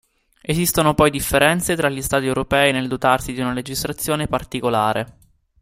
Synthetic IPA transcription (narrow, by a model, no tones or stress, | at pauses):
ezist̪onopɔjd̪ifːeɾɛnt̪set̪ɾaʎːist̪aːt̪iewɾopɛːineld̪ot̪arsid̪iunaled͡ʒist̪ɾat̪sːjoːnepart̪ikolaːɾe